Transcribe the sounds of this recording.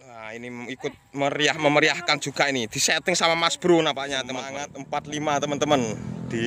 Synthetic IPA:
ainiikʊt̪̚məɾiahməməɾiahkan̥d͡ʒ̥ṳɡ̥ainid̪̥i̤sɛt̪ɪŋsamamasb̥ɾunapaʔɲat̪əat̪̚əmpat̪limat̪əmənt̪əmənd̪̥i

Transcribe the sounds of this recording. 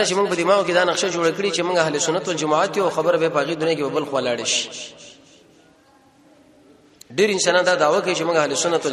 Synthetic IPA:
at͡ʃemuɡ̚pəd̪imɑoked̪ɑnaqʃad͡ʒoɽakəɽit͡ʃemʊŋɡaɦalisʊnat̪wold͡ʒamaat̪juawxabəɾabapəhaɣed̪unjakebabəlxwalɑɽeʃi̥ | ɖeɾɪnsɑnɑnd̪ɑd̪ɑwakawit͡ʃemuɡaɦalisʊnat̪w

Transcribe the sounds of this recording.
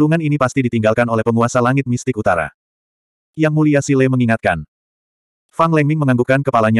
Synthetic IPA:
luŋaninipast̪idit̪iŋɡalkanolɛhpəŋuasalaŋɪt̪̚mist̪ɪkut̪aɾa̰ | jaŋmuliasilɛməŋiŋat̪̚kan | faŋlɛŋmɪŋməŋaŋɡukankəpalaɲa

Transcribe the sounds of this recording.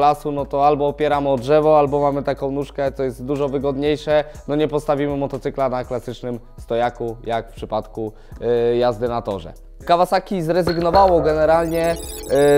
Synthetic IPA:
lasunɔt̪ɔalbɔːpʲjɛɾamɔdʐɛvɔalbɔmamɘt̪akɔ̃w̃nuʂkɛt̪sɔjɛst̪d̪uʐɔvɘɡɔd̪ɲejʂɛnɔɲɛpɔst̪avʲimɘmɔt̪ɔt̪sɘklanaklasɘt͡ʂnɘm | st̪ɔjakujakfpʂɘpat̪ku | jazd̪ɘnat̪ɔʐɛ̰ | kavasakʲizɾɛzɘɡnɔvawɔɡɛnɛɾalɲɛ

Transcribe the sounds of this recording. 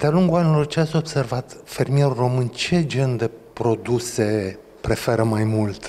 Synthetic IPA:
d̪ealuŋɡulanilo̞rt͡ʃeat̪sʲo̞bse̞rvat̪fe̞rmije̞ɾuro̞mɨnt͡ʃe̞d͡ʒe̞nd̪e̞pɾo̞d̪use̞ | pɾe̞fe̞ɾəmajmult̪

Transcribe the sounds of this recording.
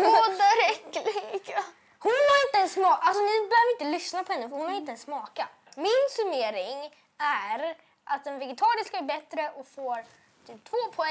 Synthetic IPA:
d̪ɾɛkːlɪɡ̥a | hʊnhaɾɪnt̪əɛnsːmɑːalsɔnɪbɛhøːvəɾɪnt̪əlʏsnapʰɔhɛnːəfœɾhʊnhaɾɪnt̪əɛnsmɑːka | mɪnsɵmeːɾɪŋ | æɾ | ʔat̪̚d̪ɛnvɛɡɛt̪ʰɑːɾɪskaæɾbɛt̪ːɾəʔɔkfoːɾ | t̪ʰyːp̚t̪ʰvoːpʰɔɛ

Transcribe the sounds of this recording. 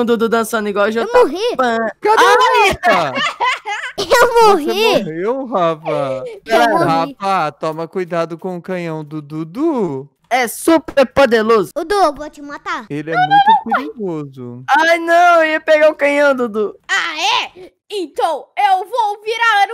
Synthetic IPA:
d̪ud̪ud̪ɐ̃sɐ̃nʊiɡwɔwʒemoɦifɐkɛnis | ewmoɦiɦewɦafaehafat̪ɔmɐkujd̪ad̪ʊkõʊkɐ̃ɲɐ̃w̃d̪ʊd̪ud̪u | ɛsupʰeɾpod̪eɾozʊʊd̪ubot͡ʃimat̪aelɪɛmũjt̪ʊpeɾiɡozʊajnɐ̃w̃iɐpeɡaʊ̃kɐ̃jɐ̃w̃d̪ud̪uaɛ | ẽt̪ɐ̃w̃ewvowviɾaen

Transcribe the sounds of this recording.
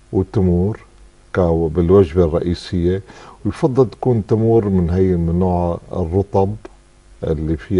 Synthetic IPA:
wt̪ʊmuːɾ | kabɪlwad͡ʒbarˤːɑʔiːsɪjːewjfɑd̪ˤːɨlt̪ḁkuːnt̪amuːɾmɪnɦajɪmɪnoːʕ̰rˤːʊt̪ˤɑb | ʔɪ̰lːifiː

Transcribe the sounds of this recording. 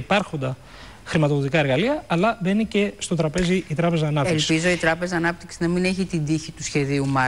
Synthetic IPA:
ipɐɾxo̞nd̪ɐ | xɾimɐt̪oðot̪ikɐe̞ɾɣɐliɐɐlɐðeninece̞st̪o̞t̪ɾɐpe̞ziit̪ɾɐpe̞zɐːnɐpteilsipizo̞it̪ɾɐpe̞zɐːnɐp̚t̪iksinɐmine̞çit̪ind̪içit̪usçe̞ðiumɐ

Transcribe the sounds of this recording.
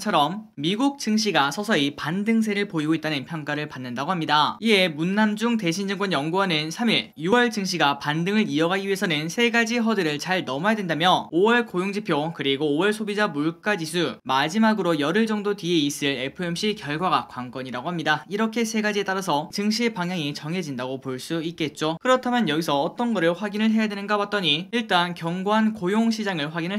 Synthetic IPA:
t͡ɕʰʌɾʌmːiɡuk̚t͡ɕ͈ɯŋɕ̬ʰiɡasʰʌsʰʌipandɯŋs̬ʰe̞ɾɯɭpoiɡoit̚t͈anɯnpʰjʌŋk͈aɾɯɭpanːɯndaɡoɦamɲidaie̞munːamd͡ʑuŋte̞ɕʰind͡ʑɯŋk͈wʌnjʌŋɡuanɯnsʰamiɭjuwʌɭt͡ɕɯŋɕ̬ʰiɡapandɯŋɯɾiʌɡaɡiɥiɦe̞sʰʌnɯnsʰe̞ɡad͡ʑiɦʌdɯɾɯɭt͡ɕaɭnʌmajedwendamjʌowʌɭkojoŋd͡ʑipʰjokɯɾiɡoːwʌɭsʰobid͡ʑamuɭk͈ad͡ʑis̬ʰumad͡ʑimaɡɯɾojʌɾɯɭd͡ʑʌŋdotɥieis͈ɯɭe̞pʰɯe̞mɕ͈ikjʌɭɡwaɡakwaŋk͈ʌɲiɾaɡoɦamɲidaiɾʌkʰe̞sʰe̞ɡad͡ʑie̞t͈aɾasʰʌt͡ɕɯŋɕ̬ʰiepaŋjaŋit͡ɕʌŋɦe̞d͡ʑindaɡopoɭs͈uik͈e̞t̚t͡ɕ͈okɯɾʌtʰamjʌnjʌɡisʰʌːt͈ʌnɡʌɾɯɭɸwaɡinɯɭɦe̞jadwe̞nɯnɡawat̚t͈ʌɲiiɭt͈ankjʌŋɡoɦankojoŋɕʰid͡ʑaŋɯɭɸwaɡinɯɭ

